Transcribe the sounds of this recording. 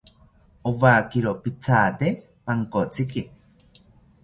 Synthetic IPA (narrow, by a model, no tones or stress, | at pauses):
oβaːkiɾopit͡sʰaːt̪e | paŋkot͡siki